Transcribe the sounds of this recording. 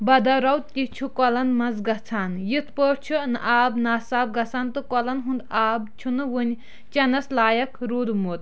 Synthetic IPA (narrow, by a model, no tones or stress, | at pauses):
bɐd̪ɐɾɐwt̪̚t̪ʲit͡ʃʰukɔlɐnmɐnzɡɐt͡sʰaːnjit̪ʰpəɾt͡ʃʰunɨ̰ʔaːbnaːsaːb̚ɡɐsaːnt̪ɨkɔlɐnɦund̪aːb̚t͡ʃʰunɨʋɨnʲ | t͡ʃɐnɐslaːjɐkʰɾuːd̪mut̪̚